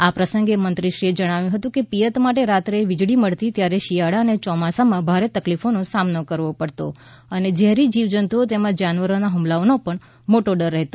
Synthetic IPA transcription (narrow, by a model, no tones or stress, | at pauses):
apɾəsəŋɡemənt̪ɾiʃɾied͡ʒəɽ̃aʋjũɦət̪ũkepijət̪maʈeɾat̪ɾeʋid͡ʒɭiməɭt̪it̪jaɾeʃijaɽanet͡ʃɔmasamãbʱaɾet̪əklifonosamnokəɾʋopəɽt̪o | əned͡ʒɛɦɾid͡ʒiʋd͡ʒənt̪uot̪emãd͡ʒanʋəɾonaɦumlaʋonopəɳ | moʈoɖəɾːəɦet̪o